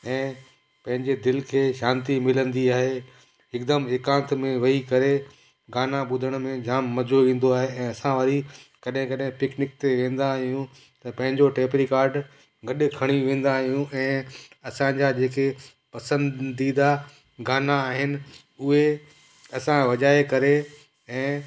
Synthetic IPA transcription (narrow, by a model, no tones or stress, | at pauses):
ɛ̃ː | pɐ̃ɦɪ̃ɲd͡ʑed̪ɪlkʰeːʃaːnt̪̬imɪlə̃nd̪iaːɦe | ɦɪkd̪əmɪːkãːnt̪mẽʋɐikɐɾe | ɡaːnaɓʊd̪ʱəɽ̃mẽd͡ʑaːmːɐd͡ʑoʋĩːn̆d̪oaːɦeɛ̃ːɐsãʋɐɾikɐɗɦɪ̃kɐɗɦɪ̃pɪknɪk̚t̪eʋẽːn̆d̪aɦijũ | t̪ɐpɐ̃ɦɪ̃ɲd͡ʑoʈeːpɾikaːɾɖ | ɡɐɗkʰɐɽ̃iʋẽːn̆d̪aɦijũʔɛ̃ːɐsãɲd͡ʑad͡ʑeːke | pɐsə̃ndd̪id̪a | ɡaːnaːɦɪnɪ̆ | ʊɦe | ɐsãʋɐʄaːekɐɾe | ɛ̃ː